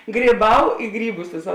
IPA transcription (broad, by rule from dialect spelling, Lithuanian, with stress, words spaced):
ɡrʲiːˈbɐʊ ˈɪ ɡrʲiːˌbʊs ˈʋʲeːsɐ